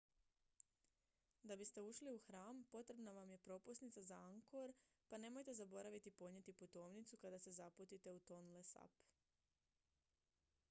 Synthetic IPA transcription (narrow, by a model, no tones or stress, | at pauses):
d̪abist̪e̞uʃliuxɾaːmpo̞t̪ɾe̞bnaʋamje̞pɾo̞pusnit̪sazaaŋko̞ɾ | pane̞mo̞jt̪e̞zabo̞ɾaʋit̪ipo̞ɲe̞t̪iput̪o̞ːmnit̪sukad̪ase̞zaput̪it̪e̞ut̪o̞nlesa̰p